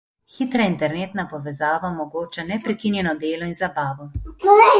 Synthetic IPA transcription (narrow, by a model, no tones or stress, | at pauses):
xit̪ɾaint̪ɛɾneːt̪napɔʋɛzaːʋamɔɡoːt͡ʃanɛpɾɛkinjɛnɔd̪eːlɔinzabaːʋɔ